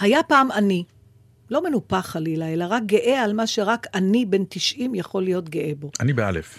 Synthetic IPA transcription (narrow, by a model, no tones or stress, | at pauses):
hajapaːmani | lo̞me̞nupaχalilae̞laʁak̚ɡe̞ʔealmaʃe̞ʁakanibe̞nt̪iʃʔimjaχo̞lijo̞t̪ɡeʔebo̞ʔanibea̰lḛf